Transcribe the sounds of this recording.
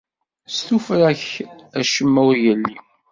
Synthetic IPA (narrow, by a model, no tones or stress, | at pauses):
st̪ufɾæçæʃəmːæwɾjəlːi